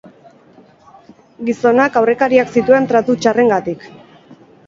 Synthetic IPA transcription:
ɡiso̞nakawre̞kaɾiaksit̪ue̞nt̪ɾat̪ut͡ʃare̞ŋɡat̪ik

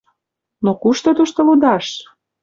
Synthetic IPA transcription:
nokuʃt̪ot̪uʃt̪ŏlud̪ɑʃ

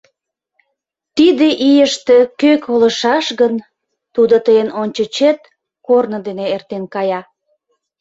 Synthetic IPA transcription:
t̪id̪eʔijəʃt̪ekøkʰolə̆ʃɑʃɣən | t̪ud̪ot̪əjənonʲt͡ɕət͡ɕet̪̚ | kornəd̪eneert̪enkɑjɑ

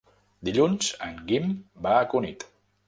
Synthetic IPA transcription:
d̪iʎunz̥ə̰ŋɡimbaːkunit̪

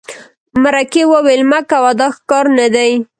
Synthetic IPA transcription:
maɾakewəwelmakawad̪ɑxkɑɾnad̪aj

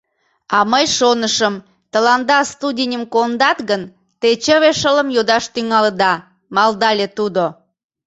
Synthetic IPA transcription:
ɑməjʃonəʃəm | t̪əlɑnd̪ɑst̪udʲinʲəmkond̪ɑt̪ɣən | t̪et͡ɕəβeʃələmjod̪ɑʃt̪yŋɑləd̪ɑ | mɑld̪ɑlʲet̪ud̪o

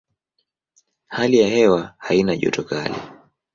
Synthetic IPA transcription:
halijahɛwahainaʄɔ̰tɔkalɛ̰

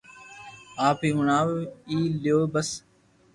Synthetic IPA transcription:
aːpiːɦʊɳaːʋiːljoːbəs

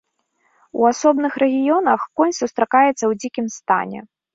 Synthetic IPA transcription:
uasɔbnɨxɾɛɣʲijɔnɐxkɔnʲsust̪ɾakajɛt̪sːɐwd͡zʲikʲimst̪a̰nʲɛ̰

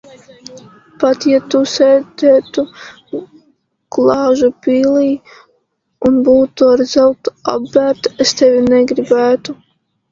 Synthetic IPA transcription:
pat̪jat̪usɛːd̪ɛːt̪u | klˠɑːʒupʲiːliː | unbuːt̪uaɾzawt̪a̰bːæːɾt̪est̪ɛvʲinɛɡɾibæːt̪u

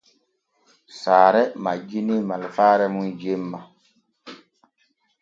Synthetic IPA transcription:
saːɾɛma̰d͡ʒinimalfaɾɛmund͡ʒemːa

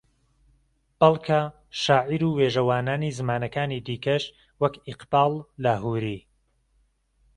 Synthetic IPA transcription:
b̥ɐlˠkʰa | ʃaːʕiɾuːweːʒɐwaːnaːniːzɨmaːnɐkaːniːd̪iːkɐʃ | wɐkɪqbaːlˠːaɦuːɾiː

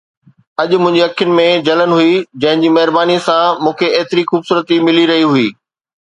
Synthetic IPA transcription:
ɐʄʊ̆mʊ̃ɦɪ̃ɲd͡ʑiɐkʰːjʊnɪ̆mẽd͡ʑɐlən̆ɦuid͡ʑɐ̃ɦɪ̃ɲd͡ʑiːmɐɦɪɾbaːnisãmũːkʰeeːt̪ɪɾixuːbsuːɾət̪imɪliɾɐɦiɦuiː

